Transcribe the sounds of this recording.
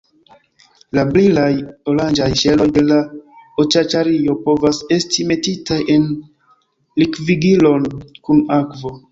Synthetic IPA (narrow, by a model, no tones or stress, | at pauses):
lablilajoland͡ʒajʃe̞lo̞jde̞laot͡ʃat͡ʃaɾio̞po̞vase̞stime̞titaje̞n | likviɡilo̞nkunakvo̞